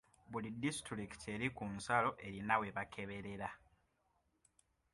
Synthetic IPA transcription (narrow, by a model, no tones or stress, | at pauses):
βulidːistɾiki̥tʰe̞ɾikunsalo̞ʔe̞ɾinaweβakʰe̞βe̞ɾe̞ɾa